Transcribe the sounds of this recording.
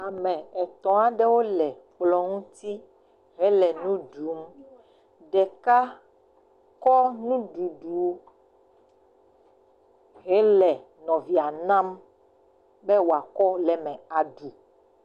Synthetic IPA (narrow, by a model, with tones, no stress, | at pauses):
a˨mɛ̃˨ɛ˨t̪ɔ̃˨a˨ɖɛ˦wo˦lɛ˨k͡plɔ˦ŋũ˦t̪i˦ | ɦɛ˦lɛ˨nũ˦ɖu˨˦m | ɖɛ˨ka˦ | kɔ˦nũ˦ɖu˨ɖu˨˦ | ɦɛ˦lɛ˨ | nɔ̃˨vi˨a˨nã˦m | bɛ˦wo˨a˨kɔ˦lɛ˨mɛ̃˨a˨ɖu˨